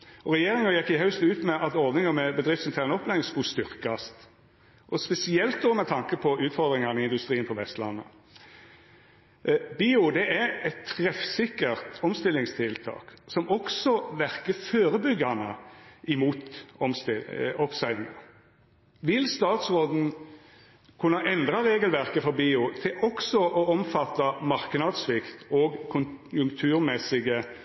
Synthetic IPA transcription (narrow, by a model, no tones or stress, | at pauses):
ɔʁɛjeːɾɪŋɑjɛkːɪɦɑʉst̪ʉːt̪mɛʔɑt̪ɔʋnɪŋəmɛbəd̪ɾɪft̪sɪnt̪ʰæːʁnəɔpːlæɪɪŋskʊst̪ʏɾkɑst̪ | ʔɔspɛsɪɛlt̪̚d̪ɔmɛt̪ʰɑŋkəpʰɔʉːt̪fɔɾd̪ʁɪŋɑnɪɪnd̪ʉst̪ɾiːnpʰɔʋɛst̪lɑnːə̰ | biːʊd̪ɛʔæɾɛt̪ʰːɾɛfsɪkːəʁt̪ɔmst̪ɪlːɪŋst̪ʰɪlt̪ʰɑ̰ːksɔmɔksɔʋæʁkəføːɾəbʏɡːɑnəʔɪmuːt̪ɔmst̪ɪɔpsæɪɪŋə̰ | ʋɪlst̪ɑːt̪sʁoːd̪n̩ | kʰʉnːɑʔɛnd̪ʁɑʁeːɡəlʋæʁkəfɔɾbiːʊt̪ʰɪlʔɔksɔʔɔɔmfɑt̪ːɑmɑʁknɑd̪sʋɪkt̪oːɡkʰʊnjʉŋkt̪ʰʉːʁmɛsɪɡə